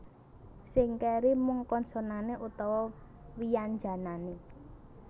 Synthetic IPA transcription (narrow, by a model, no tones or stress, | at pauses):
sɪŋkɛɾimuŋkɔnsɔnaneʔut̪ɔwɔ | wijand͡ʒa̤nane